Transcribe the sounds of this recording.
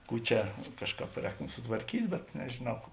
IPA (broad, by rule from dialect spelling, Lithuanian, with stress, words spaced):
ˈkuː t͡ʃʲɛ ˈkɑːʃˌkɑːp ˈrʲɛːktoːm sʊtʋɐrʲˈkʲiːtʲ bʲɛt nʲɛʒʲeːˈnɐʊ